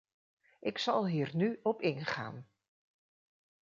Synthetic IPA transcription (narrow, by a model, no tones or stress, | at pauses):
ʔɪksɑlˠɦiːrnyɔpɪnχa̰ːn